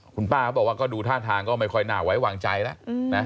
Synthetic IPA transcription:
kʰu˧npaː˥˩kʰɔ˦˥˩bɔː˨˩k̚waː˥˩kɔː˥˩duː˧t̪ʰaː˥˩t̪ʰaː˧ŋkɔː˥˩ma˥˩jkʰɔ˥˩jnaː˨˩wa˦˥jwaː˧ŋt͡ɕa˧jla˦˥ʔna˦˥

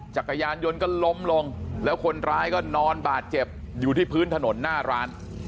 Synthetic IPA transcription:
t͡ɕa˨˩k̚ːa˧jaː˧njo˧nkɔː˥˩lo˦˥mlo˧ŋlɛː˦˥wkʰo˧nɾaː˦˥jkɔː˥˩nɔː˧nbaː˨˩t̪̚t͡ɕe˨˩p̚ | juː˨˩iː˥˩pʰɯː˦˥nt̪ʰa˧no˩˦nːaː˥˩ɾaː˦˥n

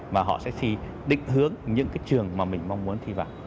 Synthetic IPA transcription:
vaː˨˩ɦɔ̰˧˨sɛ̰˧˥t̪ʰi˧ | ɗḭ̈˧˨ŋ̟ɦɨ˨˦əŋɲɨ̰˧˥ŋkaː˨˦jt͡ɕɨ˨˩əŋmaː˨˩mï˨˩ŋ̟ma˧wŋ͡mmu˨˦ənt̪ʰi˧vaː˨˩w

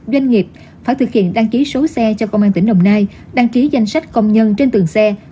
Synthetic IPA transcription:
zwa˧jŋ̟ŋi˨˩əp̚ | faː˧˩jt̪ʰɨ˨˩k̚hḭ˧˨ənɗa˧ŋki˨˦so˨˦sɛ˧t͡ɕɔ˧kə˧wŋ͡mʔaː˧nt̪ï˧˩ŋ̟ɗə˧wŋ͡mnaː˧j | ɗa˧ŋki˨˦za˧jŋ̟sa˦˥jk̟̚kə˧wŋ͡mɲə˧nt͡ɕe˧nt̪ɨ˨˩əŋsɛ˧

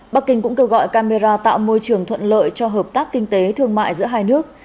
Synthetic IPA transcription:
ɓa˦˥k̚kï˧ŋ̟kʊ̰˧˥ŋ͡mke˧wɣɔ̰˧˨jkaː˧me˧zaː˧t̪a̰ː˧˨wmo˧jt͡ɕɨ˨˩əŋt̪ʰwə̰˧˨nlə̰ː˧˨jt͡ɕɔ˧ɦəː˨˩p̚t̪aː˦˥kːï˧ŋt̪e˨˦t̪ʰɨ˧əŋma̰ː˧˨jzɨ̰˧˥əɦaː˧jnɨ˦˥ək̚

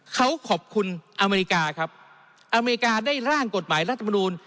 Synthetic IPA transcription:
kʰa˦˥wkʰɔ˨˩p̚kʰu˧nʔa˧me˧ɾi˧kaː˧kʰa˦˥p̚ | ʔa˧me˧ɾi˧kaː˧daː˥˩jɾaː˥˩ŋko˨˩t̪̚maː˩˦jɾa˦˥t̪̚ʰːm˧nuː˧n

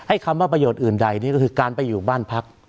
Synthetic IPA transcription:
ha˥˩jkʰa˧mwaː˥˩pɾa˧joː˨˩t̪̚ʔɯː˨˩nda˨˩jni˥˩kɔ˥˩kʰɯː˧kaː˧npa˧jːuː˨˩baː˥˩npʰa˦˥k̚

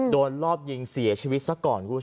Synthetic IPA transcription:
doː˧nlɔː˥˩p̚ji˧ŋsi˩˦t͡ɕʰiː˧wi˦t̪̚sa˧˦kɔː˨˩nkʰuː˦˥˩

